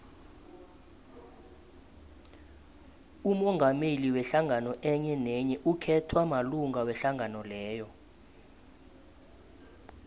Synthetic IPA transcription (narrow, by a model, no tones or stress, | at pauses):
umɔŋɡʱameliwɛɬaŋʱanɔʔɛɲɛnɛɲɛʔukʰɛtʰwamaluŋɡawɛɬaŋanɔlɛːjɔ